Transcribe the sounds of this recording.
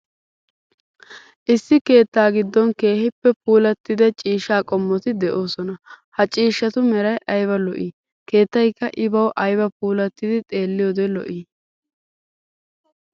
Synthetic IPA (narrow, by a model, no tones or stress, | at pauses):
ʔɪsːɪke̞ːt̪ːaːɡɪd̪ːɔnke̞ːhɪpːɛpuːlɐt̪ːɪd̪ɛt͡ʃʼiːʃaːkʼɔmːɔt̪ɪd̪ɛʔo̞ːsɔnɐhɐt͡ʃʼiːʃːɐt̪ʊmɛɾɐjʔɐjbɐlɔʔiː | ke̞ːt̪ːɐjkːɐʔɪbɐwʔɐjbɐpuːlɐt̪ːɪd̪ɪt̪ʼe̞ːlːɪjod̪ɛlɔ̰ʔiː